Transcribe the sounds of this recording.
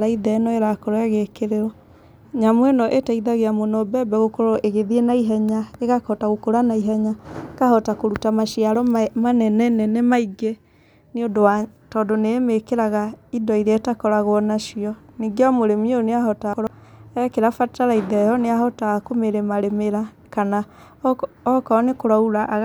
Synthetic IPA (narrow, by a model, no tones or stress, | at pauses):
ɾaiðɛnɔeɾakɔɾɔɛɣekeɾeɾɔ | ɲamwɛnɔʔetaiðaɣeamwɔnɔbɛbɛɣokoɾɔʔeɣeðienaiɦɛɲaeɣakɔtaɣokoɾanaiɦɛɲakahɔtakoɾutamaʃiaɾɔmanɛnɛnɛnɛmaiɡe | neondowatɔdonemekeɾaɣaidɔiɾeatakɔɾaɣwɔnaʃiɔniɡeɔmoɾemioneaɦɔtaoɾ | ɛkeɾafataɾaiðɛjɔneahɔtakomeɾemaɾemeɾa | kana | ɔkɔnekoɾauɾaʔɣ